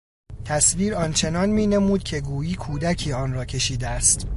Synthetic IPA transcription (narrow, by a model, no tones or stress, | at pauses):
t̪ʰæsviːɾɒːnt͡ʃʰe̞nɒːnmiːnemuːd̪̥̚cʰe̞ɡuːjiːkʰuːd̪æcʰiːɒːnrɒːcʰe̞ʃiːd̪eæst̪